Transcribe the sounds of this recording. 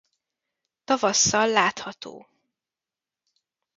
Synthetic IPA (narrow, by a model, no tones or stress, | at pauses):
t̪ɒvɒsːɒlːaːt̪hɒt̪o̰ː